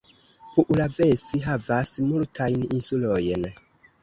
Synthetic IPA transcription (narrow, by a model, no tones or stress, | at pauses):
puʔulavesiɦavasmultʰajninsulojn